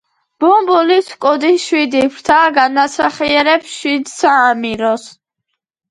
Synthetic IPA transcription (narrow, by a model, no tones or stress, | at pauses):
b̥ɔmbulisʰkʼɔd̪iʃwid̪ipʰɾt̪ʰaɡanasaχiɛɾɛpsʃwid̪saːmiɾɔs